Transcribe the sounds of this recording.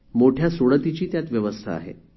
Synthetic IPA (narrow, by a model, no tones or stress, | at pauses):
moʈʰjasoɭət̪it͡ɕiːt̪jat̪ʋjəʋəst̪ʰa̰a̰ɦḛ